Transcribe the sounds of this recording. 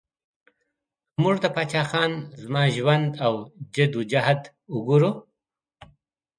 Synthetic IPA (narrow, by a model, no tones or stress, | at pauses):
muʐd̪əpat͡ʃɑxɑnzmɑʒwand̪awd͡ʒɪd̪ud͡ʒahad̪ | ʊɡuɾu